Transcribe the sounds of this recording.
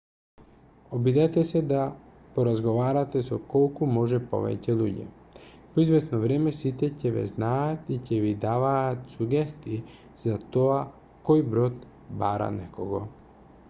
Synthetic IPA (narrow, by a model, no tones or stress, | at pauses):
obid̪ɛt̪ɛsɛd̪a | poɾazɡoʋaɾat̪ɛsɔkɔlˠkumɔʒɛpo̰ʋɛ̰cɛlˠuɟɛ̰ | poizvɛsnovɾɛmɛsit̪ɛcɛʋɛ̰znaat̪icɛʋid̪aʋaːt̪suɡɛst̪ii | zat̪oa | kojbɾot̪ | baɾa̰nɛkoɡo